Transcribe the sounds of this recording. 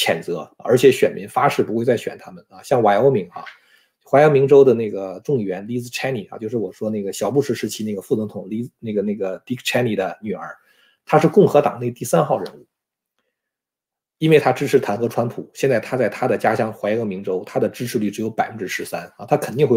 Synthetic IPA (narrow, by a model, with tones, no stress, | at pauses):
t͡ɕʰjɛ˨˩nt͡sɤ˧˥ə˞˧˥t͡ɕʰjɛ˧˥ɕɥɛ˨˩nmi˧˥ŋfa˥ʂɻ̩˥˩pu˧˥xwe˥˧ɪt͡sa˥˩ɪɕɥɛ̰˨˩nt̪ʰa˥mə˨na˧˩ɕjɑ˥˩ŋwa˧˥ɪo˥ʊmi˧˥ŋa̰˥˧ | wa˧˥o˥mi˧˥ŋʈ͡ʂo˥ʊd̪ə˨ne˥˩ɡə˩ʈ͡ʂʊ˥˩ŋɥɛ˧˥nli˧˥t͡sɹ̩˥ʈ͡ʂʰa˥ni˨˩a̰˧˩t͡ɕjo˥˧ʊʂɻ̩˥˩wɔ˨˩ʂwɔ˥ne˥˩ɡə˩ɕjɑ˨˩ʊpu˥˩ʂɻ̩˧˥ʂɻ̩˧˥t͡ɕʰi˥ne˥˩ɡə˩fu˥˩t͡sʊ˧˥ŋt̪ʰʊ˨˩ŋli˥˧ne˥˩ɡə˩ne˥˩ɪɡə˩t̪i˧˥kt͡ɕʰa˥ni˨˩d̪ə˧ny˨˩ə̰˞˧˥ | t̪ʰa˥ʂɻ̩˥˧kʊ˥˩ŋxɤ˧˥t̪ɑ˨˩ŋne˥˧ɪt̪i˥˩sa˥nxɑ˥˩ʊɻə̰˧˥nu˥˩ | i˥nwɪt̪ʰa˥ʈ͡ʂɻ̩˥ʈ͡ʂ̩ʰ˧˥t̪ʰa˧˥nxɤ˧˥ʈ͡ʂʰwa˥npʰu˨˩˦ɕjɛ˥˧nt͡sa˥˩ɪt̪ʰa˥t͡sa˥˩ɪt̪ʰa˥d̪ə˨t͡ɕja˥ɕjɑ˥ŋxwa˧˥ɪo˧˥mi˧˥ŋʈ͡ʂo˥ʊt̪ʰa˥d̪ə˨ʈ͡ʂɻ̩˥ʈ͡ʂʰɻ̩˧ly˥˩ʈ͡ʂɻ̩˧˥jo˧˥ʊpa̰˨˩ɪfə˥˧ʈ͡ʂɻ̩˥ʂɻ̩˧˥sa˥na˥˩t̪ʰa˥kʰə˨˩nt̪i˥˧ŋxwe˥˧